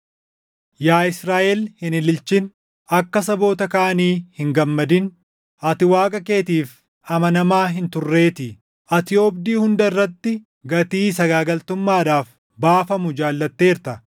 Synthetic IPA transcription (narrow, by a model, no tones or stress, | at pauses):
jaːɪsɾaːʔɛlhɪnɪlɪlt͡ʃɪn | ɐkːɐsɐbo̞ːt̪ɐkaːɐniːhɪŋɡɐmːɐd̪ɪn | ʔɐt̪ɪwaːkʼɐke̞ːt̪iːf | ɐmɐnɐmaːɦɪnt̪ʊrːe̞ːt̪ɪ | ʔɐt̪ɪjo̞ːbd̪iːhʊnd̪ɐɪrːɐt̪ːɪ | ɡɐt̪iːsɐɡaːɡɐlt̪ʊmːaːᶑaːf | baːfɐmʊd͡ʒaːlːɐt̪ːe̞ːɾt̪ɐ